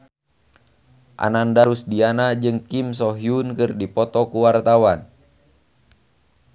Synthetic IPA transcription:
ʔa̰nandaɾusdianad͡ʒɨŋkimsɔɦiunkɨrdipɔt̪ɔkuwart̪awan

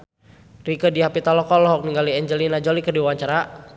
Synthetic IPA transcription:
rikədiapit̪alɔkɔlɔɦɔk̚niŋɡaliɛɲd͡ʒəlinad͡ʒɔlikədiwaɲt͡ʃaɾa

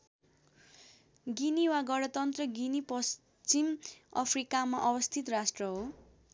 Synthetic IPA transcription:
ɡiniwaɡʌɽʌt̪ʌnt̪rʌɡinipʌs | t͡simʌpʰrikamaʔʌbʌst̪ʰit̪rasʈrʌɦo

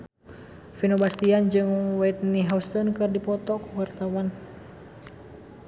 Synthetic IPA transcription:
finobast̪iand͡ʒɨŋwait̪̚niɦaust̪ɔnkɨrdipɔt̪ɔkuwart̪awan

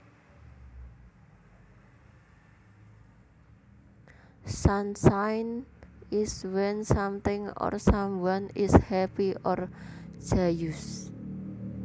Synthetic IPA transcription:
sansajnɪswɛnsamt̪ɪŋɔ̰rsamwanishɛpiʔɔr̥ʒ̥ajus

